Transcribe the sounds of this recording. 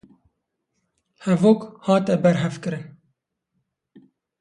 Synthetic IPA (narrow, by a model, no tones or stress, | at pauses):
hɛvoːkhɑːt̪ɛbɛɾɦɛvkɨɾɨn